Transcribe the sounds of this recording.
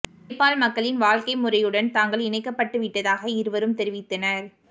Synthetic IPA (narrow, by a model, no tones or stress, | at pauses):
pːaːlmɐkːɐɭɪnʋaːɻkɐɪmʊrɐjɯɽɐnt̪aːŋɡɐɭɪnɐɪkːɐpːɐʈːɯʋɪʈːɐðaːɣɐɪɾɯʋɐɾɯmt̪ɛɾɪʋɪt̪ːɐnɐɾ